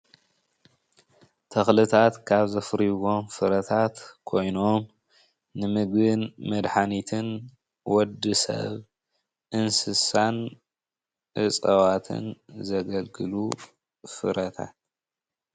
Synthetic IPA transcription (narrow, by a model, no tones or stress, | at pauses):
t̪ʰɐxlɨt̪ʰat̪kʰaβzɐfɨɾiɡo̞mfɨɾɐt̪ʰat̪kʰo̞jno̞m | nɨmɨɡβɨnmɐd̪ħanit̪ʰɨn | wɔd̪ːɨsɐ̰β | ʔɨnsɨsan | ʔɨsʼɐβat̪ʰɨ̰nzɐɡɐlɡɨlu | fɨ̰ɾɐt̪ʰa̰t̪̚